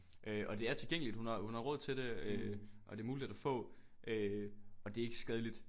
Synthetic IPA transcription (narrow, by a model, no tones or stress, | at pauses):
ʔøʔɒ̽d̥e̝æɐt͡sʰe̝lɡ̥eŋ̰əlid̥hunhɑ̈hunhɑ̈ʁɔ̽ð̰ˠt͡sʰed̥e̝øʔɒ̽d̥e̝ɐmuːlihe̥æfɔ̰̽ː | ʔøɒ̽d̥e̝æɐe̝ɡ̥əsɡ̥ɛð̞ˠlid̥